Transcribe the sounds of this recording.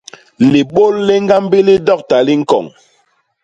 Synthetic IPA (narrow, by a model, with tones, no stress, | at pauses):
li˨ɓo˦˨lːi˦ŋ˦ɡa˦mbi˦li˦dɔ˦˨k̚ta˨li˦ŋ̩˦kɔ̰˨ŋ